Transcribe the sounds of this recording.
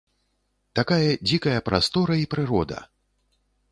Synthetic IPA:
t̪akajɐd͡zʲikɐjɐpɾast̪ɔɾɐipɾɨɾɔd̪ɐ̰

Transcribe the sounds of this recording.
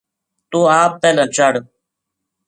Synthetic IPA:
t̪oːaːp̚peːlə̃ːt͡ʃəɽ

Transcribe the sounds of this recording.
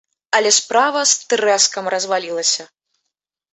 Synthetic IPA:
ɐlʲɛspɾavɐst̪ɾɛskɐmrɐzvalʲilˠɐsʲɐ

